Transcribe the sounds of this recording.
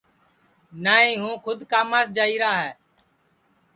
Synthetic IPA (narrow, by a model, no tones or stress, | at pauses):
naːɦĩːɦũːkʰʊd̪kaːmaːsd͡ʒaːiːɾaːɦɛː